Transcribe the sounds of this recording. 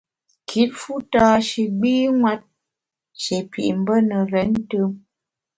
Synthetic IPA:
kʰi˦t̚fu˦taː˦ʃi˨ɡ͡biː˦ŋwa˦t̚ | ʃe˨pḭ˨ʔm̩˦bə˦nə˨ɾɛ˨˦n˦tə˦m

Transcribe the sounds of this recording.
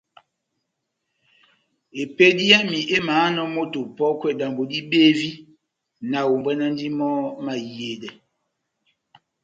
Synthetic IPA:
e˨pe˦di˦a˦mi˨ʔe˦maː˨˦nɔ˦mo˦to˨pɔ˦kwɛ˦˨da˨mbo˨di˦be˦vi˦ | na˨wo˨mbwɛ˦na˦n˦di˦mɔ˦ma˨je˨dɛ˨

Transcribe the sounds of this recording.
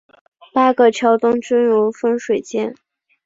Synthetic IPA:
pa˥ɡə˥˩t͡ɕʰjɑ˧˥ʊt̪ʊ˥ŋt͡ɕə˥nɻu˧˥fə˥nʂwe˨˩ɪt͡ɕjɛ˥n

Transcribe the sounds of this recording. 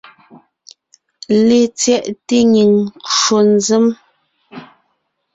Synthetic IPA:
le˨t͡sjɛ˦˨ʔte˦ɲi˨ŋko˨n˦zə˦m

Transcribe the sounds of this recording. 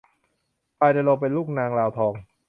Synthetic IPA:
paː˧jda˧lo˧˩pe˧nluː˥˩k̚naː˧ŋlaː˧wt̪ʰɔː˧ŋ

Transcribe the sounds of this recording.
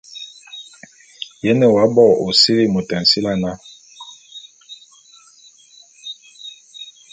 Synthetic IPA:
jɛ˦nɛ˨wa˨˦bɔ˦˨o˨si˦ɾi˦˨mo˨tɛ˨n˨si˦la˦na˦

